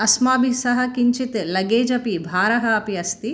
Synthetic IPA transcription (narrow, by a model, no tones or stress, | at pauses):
ɐsmaːbʱisɐɦɐkiɲt͡ʃit̪lɐɡeːd͡ʒɐpibʱaːɾɐɦɐɐpiɐst̪i